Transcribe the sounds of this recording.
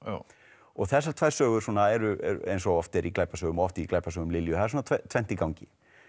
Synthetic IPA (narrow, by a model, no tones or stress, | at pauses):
ɔɣθɛs̬ːaɾt̪ʰvaːjɾ̥sœːɣʏɾ̥suːnaɛɾʏɛ̰ɾḛjnsɔɣɔft̪ɛɾʔiklaːjpasœːɣʏmɔft̪iklajpasœːɣʏmlɪljʏθaðɛɾs̬uːnat̪ʰɛt̪ʰvɛn̥t̪ikawɲcɪ